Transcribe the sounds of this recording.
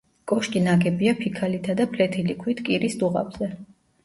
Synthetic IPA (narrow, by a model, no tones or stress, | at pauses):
kʼɔʃkʼinaɡɛbiapʰikʰalit̪ʰad̪apʰlɛt̪ʰilikʰwit̪ʰkʼiɾisd̪uʁa̰bzɛ